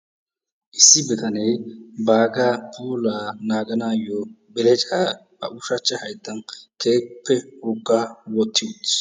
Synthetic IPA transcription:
ʔɪsːɪbɛkɐneːbaːɡaːpʰuːlaːnaːɡɐnaːjɔ | bɛlɛt͡ʃʼaː | ɐ̰ʔʊʃɐt͡ʃːɛhɐjt̪ːɐnkʰeːpːɛhʊɡːawɔt̪ʰːɪjt̪

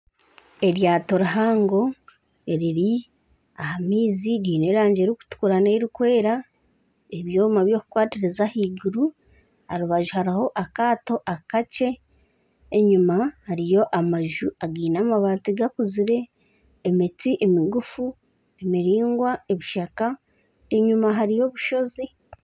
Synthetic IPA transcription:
e̞ɾjaːto̞ɾaɦaːŋɡo̞ | eɾiɾi | ahamiːziɾiːne̞ɾaːɲɟe̞ɾiku̥tu̥kuɾaneɾikwe̞ːɾa | eβjo̞ːmaβjo̞ku̥kwaːtiɾezahiːɡuɾu | haɾuβaʒuhaɾiho̞ʔakaːto̞ʔakat͡ʃe̞ː | ɲumahaɾijo̞ʔamaʒuʔaɡiːnamaβaːtiɡakuziɾe̞ː | mit͡siʔemiɡufu | emiɾiːŋɡwae̞βiʃaka | e̞ɲumaɦaɾijo̞βuʃo̞zi

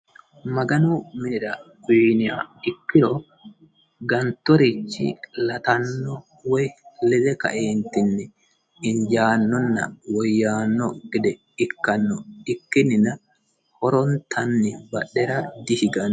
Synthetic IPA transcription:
mɐɡɐnʊmɪnɪɾɐ | ʊːnɪja̰ːɪkːɪɾɔ | ɡɐnt̪ːɔɾɪt͡ʃːɪ̰lɐt̪ɐnːɔ | wɔjlɪd̪ɛkɐ̰ʔeːnt̪ːɪnːɛ | ɪnd͡ʒaːnːɔnːɐ̰wɔjːaːnːɔɡ̥ɪd̪ɛ | ɪkːɐnːɔɪkːɪnːɪnɐ | hɔɾɔnt̪ʰɐnːɪbɐɗːɛɾɐd̪ɪhɪɡɐn

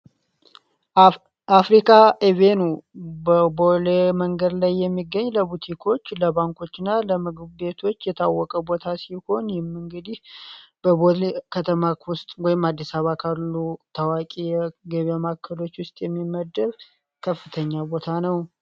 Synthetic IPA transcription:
afɾikʰaʔevenubəboleməŋɡəd̪lajːɛmːiɡːəɲːləbut̪ʰikʰo̞t͡ʃːləbaŋko̞t͡ʃːɪnːaləmɨɡɨbbe̞t̪ʰo̞t͡ʃːjɛt̪ʰawːɔkʼəbo̞t̪ʰasiho̞njɪmɨŋɡɨd̪ihb̥əbolekʰət̪ʰəmawʊst̪ʼwɔjɪmad̪ːisaβakʰalːut̪ʰawakʼijɛɡəβamakʰːəlo̞t͡ʃːwʊst̪ʼjɛmːimːəd̪əɾ | kʰəfːɨt̪ʰəɲːabo̞t̪ʰanəw

